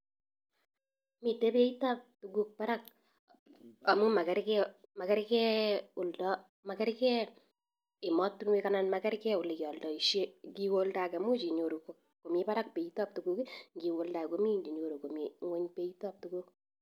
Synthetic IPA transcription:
mi˨te˦pe˦i˦ta˦p̚tuɡu˦k̚pa˦ɾa˦k̚ | a˨mu˦ma˨kɛ˨ɾkɛ˦ma˨kɛ˦ɾkɛ˦ʊ˨ldɔ˦ | ma˨kɛ˦ɾkɛ˦ | ɪ˨mɔ˦tːu˦nwe˦kananmakɛ˦ɾkɛ˦ʊ˨li˨kɔ˨ldɔ˨i˨ʃje˦ki˨wo˦ldakɛ˨mu˦t͡ʃi˨ɲo˨ɾu˨k | ko˨me˦pa˦ɾa˦k̚pe˨i˦tɔ˦p̚tu˨ɡu˦kiŋɡi˨wo˨lda˨ko˦mi˦ɲd͡ʒi˨ɲo˨ɾu˨ko˨me˨ŋwo˦ɲpe˦itɔ˦p̚tu˦ɡu˦k

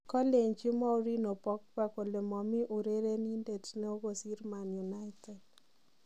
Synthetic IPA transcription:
kɔ˦le˨ɲt͡ʃi˦mɔ˦u˦ɾi˦no˨pɔ˦k̚pa˨ko˨le˨mɔ˨mi˦ʔu˨ɾe˦ɾe˦ni˦nde˨tnɛ˦o˦ɡo˨si˦ɾma˨nju˨na˦ɪtɛ˨d̚

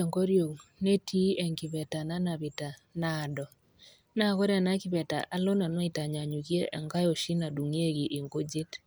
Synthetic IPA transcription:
ɛ˨ŋɡo˦ɾjo˨kne˦tʰi˦ɛ˨ŋkɪ˨βɛ˨ta˨na˦na˨βɪ˨ta˨na˨dɔ˨ | na˦kɔ˦ɾa˨na˦kɪ˨βɛ˨ta̰˨ʔa˦lo˦na˨nwa˦i˨ta˨ɲa˨ɲu˨kje˦ʔɛ˨ŋka˦jo˨ʃi˦na˨du˨ŋ˦e˦ɡi˨ʔːŋɡo˦d͡ʒɪ˦t

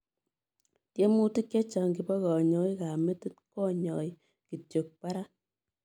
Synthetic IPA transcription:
tje˦mu˦ti˦kje˦t͡ʃa˨ŋki˨bɔ˦kɔ˨ɲɔ˨˦jka˨me˦ti˦tkɔ˦ɲɔ̰˨j | ki˨tjo˨k̚pa˦ɾa˦

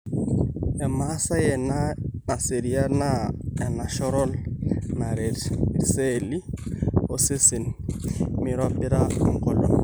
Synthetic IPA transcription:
ɛ˨ma˦sa˦jɛ˨na˦na˨se˨ɾi˨a˦na˦ɛ˨na˨ʃɔ˦ɾɔ˦lna˨ɾe˨dse˦li˦o˨se˦sɪ˨n | mɪ˨ɾwa˦bɪ˦ɾa˦ɔ˦ŋ˦kɔ˦lɔ˨

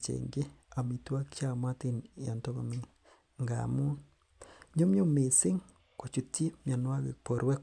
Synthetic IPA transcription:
t͡ʃḛ˨ŋɡe˦ | a˨mi˨twa˦kt͡ʃa˦˨ma˦ti˦nja˨nto˦ɣa˨mi˦ | ŋɡa̰˨mu˦n | ɲo˦mjo˦me˨si˦ŋ | ko˨t͡ʃu˨ti˦mja˨nwa˦ɣḛ˨po˨ɾwe˦

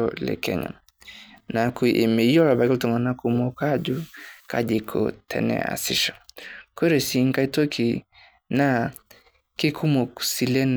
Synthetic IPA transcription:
ɔ˦lɛ̰˨kɛ̰˨ɲa̰˨ | na˨ku˨˦ʔe˨me˨˦jɔ˦la˨ba˨˦ka˦ltɔ˨ŋɡa˨na˦ku˨mɔ˦ka˦d͡ʒu˦ka̰˦d͡ʒi˨kʰo̰˨tʰɛ̰˨nɛ̰˨a̰˨si˦ʃḁ˨ke˦ɾɛ˨si˨˦ŋ̩˦ka˦i˦to˦kʰi˨ | na˦ | ki˦kʰu˦mo˨ku̥˨si˨lɛ˦n

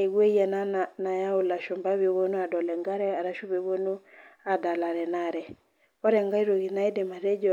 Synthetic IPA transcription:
i˨ɣwe˦ja˨na˦nana˨ja˦u˨la˨ʃɔ˨mba˦βe˨βo˦nu˦a˨dɔ˨lɛ˨ŋɡa˦ɾɛ˦a˨ɾa˦ʃu˦βe˨βo˦nu˦a˨da˨la˨ɾɛ˨na˨ɾɛ˨ | ɔ˦ɾɛ˨ŋɡa˦i˦ɾo˨ɣi˨na˦i˦dɛ˨ma˨ɾɛ˦d͡ʒɔ˨

